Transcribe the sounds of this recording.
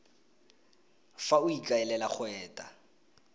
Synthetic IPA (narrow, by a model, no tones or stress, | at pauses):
faʊikʼaɛlɛlak͡xʰwɛːtʼa